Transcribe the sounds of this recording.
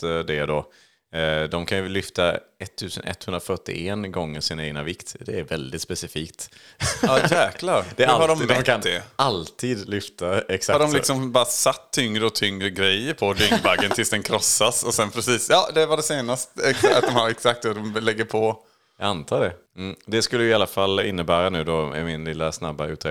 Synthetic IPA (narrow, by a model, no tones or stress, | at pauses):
d̪ɛd̪o | d̪ɔmkʰanjɵlʏft̪ʰaɛt̪ʰːʉ̟ːsə̰nʔɛ̰t̪hɵnɾafœʈːɪ̰ɛnɡɔŋːəʂɪnaeːɡnavɪkt̪d̪ɛːɾvɛld̪ɪt̪spɛsɪfiːk̚t̪ | ɑːjæːklaɾd̪̥ɛɾhadɔmd̪aɛalt̪ʰiːd̪lʏft̪aɛksahɖɔmlɪksɔmbɑːɾasat̪ʰːʏŋɾəɔt̪ʰʏŋɾəɡɾɛjːəɾpʰɔd̪ʏŋbaɡːənt̪ʰɪlsd̪ɛnkʰɾɔsːasɔsɛnpʰɾɛsiːsjɑːd̪ɛvaɖɛseːnast̪ɛat̪̚d̪ɔmhaɾɛksak̚t̪ːad̪ɔmlɛɡːəɾpʰɔ | jɑːɡant̪ʰɑːɖɛ | m̩ːd̪ɛskɵlːəjɪalːafalːɪnːəbæːɾanʉ̟ːd̪ɔɪ̰mɪnlɪlːasna̰bːa̰ʉ̟ːt̪ʰɾ̰